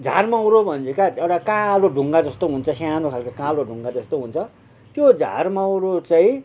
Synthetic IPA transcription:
d͡zʱa̰rmawɾobʱʌnd͡zekaeʈakãloɖʱuŋɡad͡zʌst̪oɦunt͡sʰʌsjanokʰalkakãloɖʱuŋɡad͡zʌst̪oɦunt͡sʰʌ | t̪jod͡zʱa̰rmawɾot͡saĩ

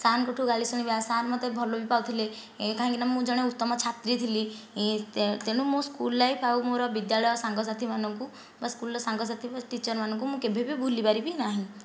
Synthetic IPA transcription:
sankoʈʰuɡaɭisɔɽ̃ibasanmɔt̪ebʱɔlobipawt̪ʰile | kaɦaŋkinammũd͡ʒɔɽ̃eut̪ːɔmɔt͡ʃʰat̪ɾit̪ʰili | t̪eɽ̃ũmũskulːajpawmoɾɔbid̪jaɭɔjɔsaŋɡɔs̬at̪ʰimanɔŋku | baskulɔsaŋɡɔs̬at̪ʰibaʈit͡ʃɔɾmanɔŋk̬umũkebʱebibʱulipaɾibinaɦĩ

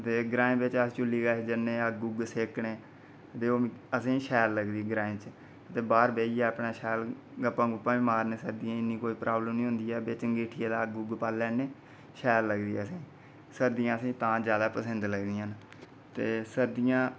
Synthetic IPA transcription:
t̪eːɡɾaːẽːbɪt͡ʃəst͡ʃʊlːiːɡaːed͡ʒəneːaɡʊɡseːkɳeː | t̪eːoːəsĩːʃɛːlːəɡd̪iːɡɾaːĩt͡ʃ | t̪eːbaːɾbeːiːɛːəpɳaːʃɛːl | ɡəpːãːɡʊpːãːĩːmaːɾneːsəɾd̪ijãːɪnːĩːkoːiːpɾʔaːbləmnĩːɦʊnd̪iːɛːbet͡ʃəŋɡiːʈʰɪeːd̪aːɡʊɡpaːlːɛːneː | ʃɛːlːəɡd̪iːɛːəsĩː | səɾd̪ijãːəsĩːt̪ãːd͡ʒjaːd̪aːpəsənd̪ləɡd̪ijãːn | t̪eːsəɾd̪ɪjãː

